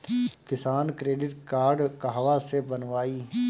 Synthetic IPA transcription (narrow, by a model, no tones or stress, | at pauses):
kɪsaːnkɾeːɖɪʈkaːɾɖkəɦʋasebənʋaːiː